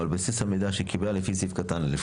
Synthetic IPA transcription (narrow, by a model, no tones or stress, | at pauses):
albasishamid̪aʃekiblalefisifkat̪anlɪf